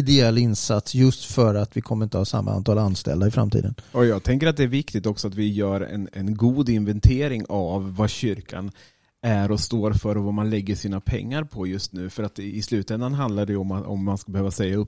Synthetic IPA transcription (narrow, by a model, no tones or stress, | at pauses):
ɪd̪ɛɛlːɪnsat̪sjɵst̪fœɾat̪vɪkʰɔmːəɾɪnt̪əhɑsa̰mːa̰ʔa̰nt̪ʰɑːlanst̪ɛ̰ld̪aɪfɾa̰mt̪ḭːd̪ənɔjɑːɡ̚t̪ʰɛŋkəɾat̪̚d̪ɛːɾvɪkt̪ɪɡt̪ɔksɔat̪vɪjœːɾɛ̰nɛnɡuːd̪ɪnvɛnt̪ʰeːɾɪŋavːaɕʏɾkʰa̰n | æɾɔst̪oːɾfœɾɔvamanlɛɡːəʂiːnapʰɛ̰ŋːaɾpʰɔjɵst̪nʉ̟ːfœɾat̪ɪslʉ̟ːt̪ɛnd̪anɦand̪laɖɛjɔmaɔ̰mːanskabɛhøːvasɛjːaɵpː